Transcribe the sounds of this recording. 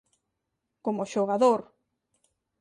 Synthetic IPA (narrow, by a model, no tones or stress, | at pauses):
komoʃoɣaðoɾ